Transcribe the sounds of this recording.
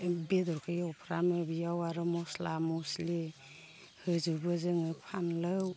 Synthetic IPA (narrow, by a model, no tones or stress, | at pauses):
bedɔɾkʰɯjawpʰɾamɯbijawaɾɯmɔslamɔsle | hɯzubɯzɯŋɯpʰanlɯw